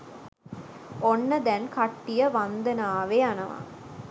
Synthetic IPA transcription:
onːəd̪ɛnkaʈːijəʋand̪ənaːʋeanɐʋa̰

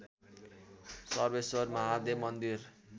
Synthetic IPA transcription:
sʌrbesʌrmʌɦad̪emʌnd̪ir

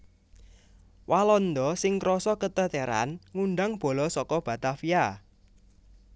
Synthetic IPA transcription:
walɔnd̪ɔsɪŋkɾɔsɔkət̪ət̪eɾa̰nŋunɖaŋb̥o̤lɔsɔkɔb̥a̤t̪afija

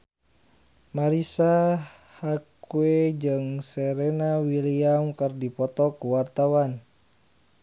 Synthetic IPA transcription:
maɾisa | hakued͡ʒɨŋsɛɾɛnawiliaŋkərdipɔt̪ɔkuwart̪awan

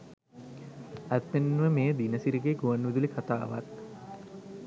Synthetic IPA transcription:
æt̪ːenːuʋəmeːd̪inəsiɾiɡeːɡuʋanːʋid̪ulikʰat̪a̰ːʋa̰k

